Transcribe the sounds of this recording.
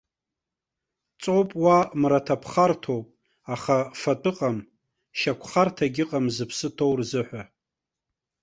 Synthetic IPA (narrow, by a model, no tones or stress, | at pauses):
t͡sʼowpʼwamratʰapʰχartʰo̞wpʼ | aχafatʼɨqʼam | ʃakʷʰχartʰaɡʲɪqʼamzɨpʰsɨtʰo̞wrzɨħʷᶣa